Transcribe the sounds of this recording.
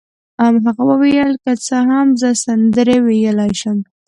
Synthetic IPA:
amɦaɣabəwejəlkat͡səɦamzəsand̪əɾewejəlɑjʃəm

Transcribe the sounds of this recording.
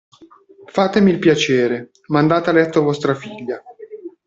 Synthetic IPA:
faːt̪emilpjat͡ʃeːɾe | mand̪aːt̪ealɛt̪ːovɔst̪ɾafiʎːa

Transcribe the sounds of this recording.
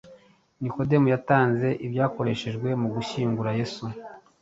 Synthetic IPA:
niko̞de̞mujataːnze̞ʔibjaːko̞ɾe̞ʃe̞ʒɡwe̞muɡuʃiːŋɡuɾaje̞su

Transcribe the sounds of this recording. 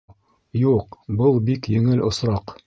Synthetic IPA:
juqbɤlˠbikjɵ̆ŋɘlʔŏsɾɑq

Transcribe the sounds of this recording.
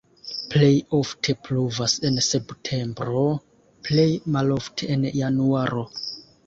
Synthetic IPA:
plejoftʰepɾuvasenseptʰe̞mbɾo | plejmaloftʰeenjanuaɾo

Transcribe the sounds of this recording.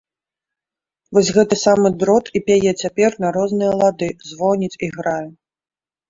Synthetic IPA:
vɔsʲɣɛt̪ɨsamɨd̪ɾɔt̪ipʲajɛt͡sʲapʲɛrnɐɾɔznɨjɐlˠad̪ɨzvɔnʲit͡sʲiɣɾajɛ

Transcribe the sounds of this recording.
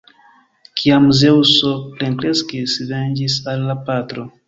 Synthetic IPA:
kʰiamuzeusopleŋkɾeskesivɛnd͡ʒisalːapat̪ɾo

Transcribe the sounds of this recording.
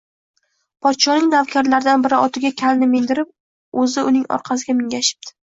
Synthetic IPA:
pʰɒt̪ʃɒnɪŋnavkʲʰaɾlaɾɪd̪anbɪɾɪɒt̪ʰɪɡʲakʲʰalnɪmɪnd̪ɪɾɪp̚ | ɵzɪʔʊnɪŋɒ̰ɾqʰɑs̬ɪɡʲamɪŋʲaʃɪ̥p̚d̪̥ɪ̥

